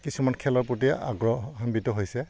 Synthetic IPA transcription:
kisumankʰɛlɔɹpɹot̬ia̰ɡɹɔhambitɔɦojsɛ

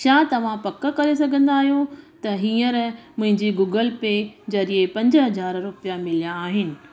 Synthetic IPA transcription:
t͡ɕaːt̪ɐʋ̤ãpɐkə̆kɐɾesɐɡʱə̃nd̪aːɦijõt̪ɐɦiːəɾmʊ̃ɦɪ̃ɲd͡ʑiɡuːɡəlped͡ʑɐɾiepɐ̃ɲd͡ʑɦɐzaːɾɾʊpijamɪlijãːɦɪnɪ̆

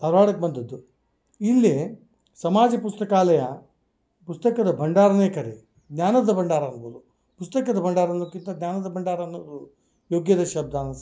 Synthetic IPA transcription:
p̪ɐɾʋaːɽɐkebɐnd̪ɐd̪ːu | ilːe | sɐmaːd͡ʒɐpust̪ɐkaːlɐjɐ | pust̪ɐkɐd̪ɐbʱɐɳɖaːɾɐneːkɐɾe | ɡnʲaːnɐd̪ɐbɐɳɖaːɾɐːnɐbɐd̪u | pust̪ɐkɐd̪ɐbʱɐɳɖaːɾɐnukːint̪ɐɡnʲaːnɐd̪ɐbʱɐɳɖaːɾɐnɐd̪u | joːɡjɐd̪ɐʃɐb̚d̪ʱaːnɐ

